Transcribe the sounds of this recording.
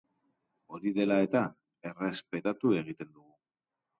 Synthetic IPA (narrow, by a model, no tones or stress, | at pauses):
o̞ɾiðe̞lae̞t̪a | e̞re̞spe̞t̪at̪ue̞ɣ̞it̪e̞nd̪uɣu